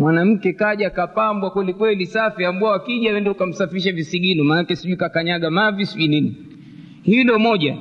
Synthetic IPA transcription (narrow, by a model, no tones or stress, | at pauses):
mwanam̩kɛkaʄakapambwakwɛlikwɛlisafiambuawakiʄawɛndɛukam̩safiɾiʃavisiɡinɔmanakɛsiʄuikakaɲaɠamavisiʄunini | hilɔmɔʄa